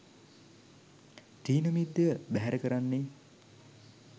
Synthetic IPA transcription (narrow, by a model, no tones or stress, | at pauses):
ʈiːnəmid̪ːjəəbæɦæɾəkəɾanːe